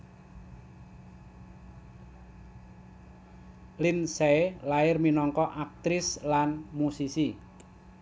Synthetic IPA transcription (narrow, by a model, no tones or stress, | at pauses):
lɪnseelaɪrminɔŋkɔʔak̚t̪ɾɪslanmusisi